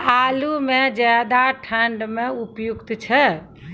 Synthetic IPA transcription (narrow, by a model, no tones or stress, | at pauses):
alumed͡ʒad̪aʈʰəɳɖmeupjukt̪t͡ʃʰɛ